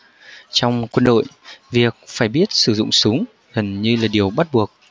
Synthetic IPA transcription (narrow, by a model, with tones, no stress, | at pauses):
t͡ɕɔ˧wŋ͡mkwə˧nɗo̰˧˨jvi˨˩ək̚faː˧˩jɓi˦˥ət̚sɨ˧˩zʊ̰˧˨ŋ͡msʊ˨˦ŋ͡m | ɣə˨˩nɲɨ˧laː˨˩ɗi˨˩əwɓa˦˥t̚ɓu˨˩ək̚